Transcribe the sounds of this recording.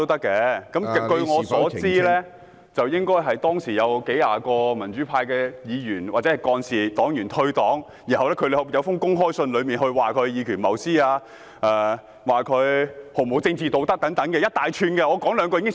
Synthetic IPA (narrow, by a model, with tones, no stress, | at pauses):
t̪o˥wt̪ɐ˥kːɛː˧kɐ˨˥m˨k̪ɵ˧ɥŋɔː˨˧sɔː˨˥t͡siː˥lɛ˥ | t͡sɐ˨wjɪ˥ŋkɔː˥jɦɐ˨jt̪ɔː˥ŋsiː˨˩jɐ˨˧wke˨˥ja̰ː˨˧kɔː˧mɐ˨˩nt͡ʃyː˨˥pʰaː˧jkɛː˧jiː˨˧jyː˨˩nwaː˨˩t͡sɛː˨˥hɐ˨˩jkɔː˧nsiː˨˩t̪ɔː˨˥ŋjyː˨˩nt̪ʰɵ˧ɥt̪ɔː˨˥ŋ | ji˨˩hɐ˨wlɛː˥kʰɵ˧ljɐ˨˧wfʊ˥ŋkʊ˥ŋɦɔː˥jsɵ˧nlɵ˨˧ɥmiː˨nhɵ˧ɥwaː˨˩kʰɵ˨˧ɥjiː˨˧kʰyː˨˩nmɐ˨˩wsiː˥aː˧ | ʔɛː˨˩ | waː˨kʰɵ˨˧ɥho˨˩mo˨˩wt͡sɪ˧ŋt͡siː˨˩t̪o˨wt̪ɐ˥t̪ɐ˨˥ŋt̪ɐ˨˥ŋkɛ˧jɐ˥t̚t̪aː˨jt͡ʃʰyː˧nkɛ˧ŋɔː˨˧kɔː˨˥ŋlœː˨˧ŋkɔ˧i˧˥ŋ˥ɪ˥ŋ